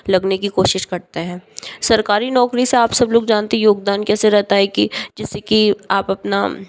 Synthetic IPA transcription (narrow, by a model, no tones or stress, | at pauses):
lɐɡnekikoːʃɪʃkɐɾt̪eɦɛ̃ːsɐɾkaːɾinɔːkɾiseaːpsɐbloːɡd͡ʒaːnt̪eɦɛ̃joːɡd̪aːnkɛːseɾɛɦt̪aɦɛkid͡ʒɪsːekiaːpɐpna̰